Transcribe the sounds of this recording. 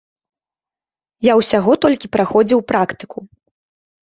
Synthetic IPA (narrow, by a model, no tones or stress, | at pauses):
jawsʲaɣɔt̪ɔlʲkʲipɾaxɔd͡zʲiwpɾakt̪ɨ̥ku